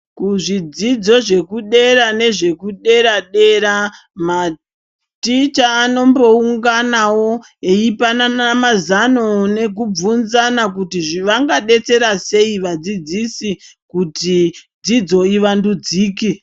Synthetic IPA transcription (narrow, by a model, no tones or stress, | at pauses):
kuʐid͡zid͡zo̞ʐe̞kuɗe̞ɾane̞ʐe̞kuɗe̞ɾaɗe̞ɾa | ma | tit͡ʃaːno̞mbo̞uŋɡanawo̞ | eipananamazano̞ne̞k̬ub͡vunzanak̬utiʐiʋaŋɡaɗe̞t͡se̞ɾase̞iʋad͡zid͡zisikutid͡zid͡zo̞iʋandud͡ziːki